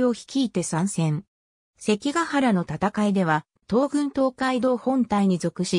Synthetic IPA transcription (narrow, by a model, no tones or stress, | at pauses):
o̞çi̥kʲiːt̪e̞sãɰ̃sẽ̞ɴ | se̞kʲiɡahaɾano̞t̪at̪akaid̪e̞β̞a | t̪o̞ːɡɯ̟̃nt̪o̞ːkaid̪o̞ːhõ̞nt̪aiɲ̟izo̞kɯ̟ɕi